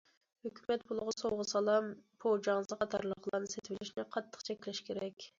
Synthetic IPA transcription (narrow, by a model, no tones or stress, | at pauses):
høkʲymɛt̪̚bolˠʊʁʊsowʁəsɑlˠɑmpʰod͡ʒɑŋzɨqʰɑt̪ʰɑɾlˠəqlˠɑnɨset̪wɪlɪʃnɪqʰɑt̪ʰːə̥qt͡ʃʰɛkʲlɛʃkʲeɾɛkʲ